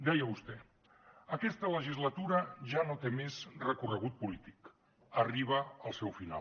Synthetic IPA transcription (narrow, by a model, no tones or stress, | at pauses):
d̪ɛjəβust̪ɛ | əkɛst̪ələʒizlət̪uɾəʒanot̪emezrəkurəɣ̞ut̪̚pulit̪ik | əriβ̞əəlˠsɛwfina̰